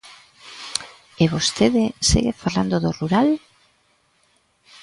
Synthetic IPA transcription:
eβost̪eðesḛɣefaland̪oðoruɾal

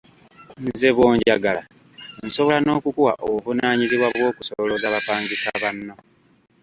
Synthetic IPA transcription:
nze̞βwo̞ːɲɟaɡala̰ | nso̞βo̞lano̞ːkukuwa̰ʔovunaːɲiziβwaβwo̞ːkusoβolo̞zaβapaːɲɡisaβanːo

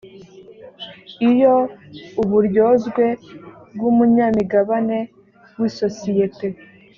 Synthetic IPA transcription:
ijouβuɾjo̞ːzɡwe̞bɡumuɲaːmiɡaβane̞ | wiso̞sijete̞

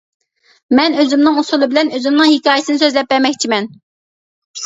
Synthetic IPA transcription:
mɛnøzymnɪŋusulˠɨbɪlɛnøzymnɪŋhikʲɑːjesɨnɨsøzlɛp̚bɛɾmɛkʲt͡ʃʰimɛn

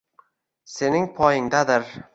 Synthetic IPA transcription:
se̞nɪŋpʰɒjɪŋd̪ad̪ɪɾ

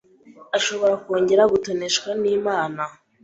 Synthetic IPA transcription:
aʃo̞βo̞ɾakoːɲɟe̞ɾaɡutone̞ʃkwaniːmaːna

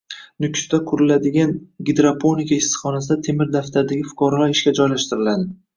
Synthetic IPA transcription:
nʊkʲʰst̪akʰʊɾɪlad̪ɪɡʲanɡʲɪd̪ɾapʰonikʰʲaɪsːχɒnas̬ɪd̪at̪ʰe̞mɪɾd̪aft̪ʰaɾɪd̪aɡʲɪfʊ̥kɒɾalaɾɪʃkʲad͡ʒɒjlaʃt̪ɪɾɪlad̪ɪ

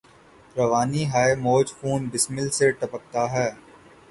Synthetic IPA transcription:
ɾɐʋaːniɦaːemoːd͡ʒfuːnbɪsmɪlseʈɐpək̚t̪aɦɛː

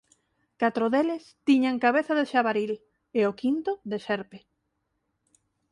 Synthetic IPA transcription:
kat̪ɾoðelest̪iɲaŋkaβeθaðeʃaβaɾil | eokint̪ʊðeʃɛɾpe

